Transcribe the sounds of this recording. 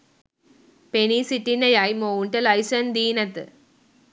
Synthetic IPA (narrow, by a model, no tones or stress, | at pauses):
penisiʈːinɐjajmouɳʈɐlɐjsɐnd̪iːnɐt̪ɨ̰